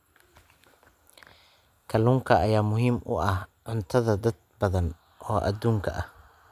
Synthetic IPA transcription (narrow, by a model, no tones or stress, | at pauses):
kʰɐluːŋkʰɐɐjaːmʊɦiːmʔʊ̰ʔɐhʕʊnt̪ʰɐðɐd̪ɐd̪̚bɐðɐn | ʔɔːʔɐ̰d̪uːŋkʰɐʔɐh